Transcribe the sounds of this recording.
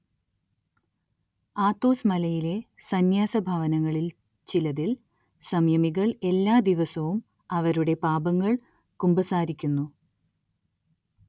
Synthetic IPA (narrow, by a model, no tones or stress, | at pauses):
aːt̪ːo̞ːsmɐlɐjile̞ | sɐnjaːsɐbʱɐʋɐnɐŋːɐɭil | t͡ɕilɐðil | sɐmjɐmiɣɐɭe̞lːaːd̪iʋɐsɐʋum | ɐʋɐɾuɽe̞paːbɐŋːɐɭ | kumbɐsaːɾikʲːunːu